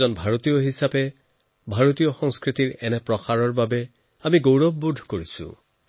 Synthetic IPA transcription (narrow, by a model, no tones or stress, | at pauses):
ɔnbʱaɹot̪ijoɦisapɛ | bʱaɹot̪ijɔxɔŋskɹit̪iɹɛnɛpɹɔxaɹɔɹbabɛ | amiɡowɹɔbːud̪ʱkoɹisʊ̰̃